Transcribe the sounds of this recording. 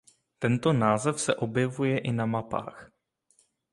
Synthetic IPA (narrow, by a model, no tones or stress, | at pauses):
t̪ɛnt̪onaːzɛfsɛʔo̞bjɛvujɛʔɪnamapa̰ːx